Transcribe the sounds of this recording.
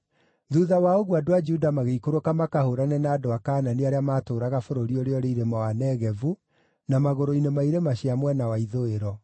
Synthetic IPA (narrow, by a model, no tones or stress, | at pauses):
ðuðawaoɣwadoad͡ʒudamaɣeikoɾokamakahoɾanɛnaːdoakaːnaneaɾeamaːtoːɾaɣafoɾoɾioɾeɔɾeiɾemawanɛɣɛvu | namaɣoɾoinemaiɾemaɕiamwɛnawaiðoeɾɔ